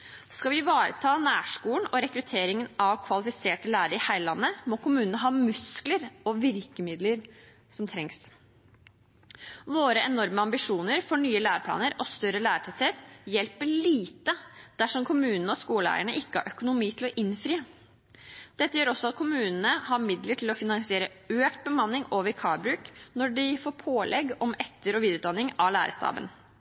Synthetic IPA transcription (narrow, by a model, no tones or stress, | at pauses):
skɑʋɪʋɑːɾə̰t̪ʰɑːnæːʂkuːln̩ɔɾɛkɾʉt̪ʰeːɾɪŋənɑʋkʰʋɑlɪfɪseːʈəlæːɾəɾɪhæɪlɑnːəmɔkʰʊmʉːnənəɦɑːmʉskləɾɔʋɪɾkəmɪd̪ləɾ | sɔmt̪ʰɾɛŋs | ʋoːɾəʔɛnɔɾməɑmbɪʂuːnəɾfɔɳyːəlæːɾpʰlɑ̰ːnəɾʔɔst̪œɾəlæːɾʈʰɛt̪eːt̪jɛlpəɭiːt̪əd̪̥æʂɔmkʰʊmʉːnənəɔskuːləæ̰ːɾəɳəʔɪkːəhɑ̰ɾʔœkʊnʊmiːt̪ʰɪlɔʔɪnfɾiːə | d̪̥ɛt̪ːəjøːɾɔsɔɑt̪̚kʰʊmʉːnnəhɑɾmɪd̪ləʈʰɪlɔfɪnɑŋsɪeːɾə | øːkt̪̚bəmɑnːɪŋoːʋəɾkʰɑːɾbɾʉːknɔɖɪfoːpʰoːlʔɛɡɔmɛt̪ːəɾɔʋiːd̪ʉːt̪d̪ɑnːɪŋɑlæ̰ːɾəst̪ɑ̰ːbə̰n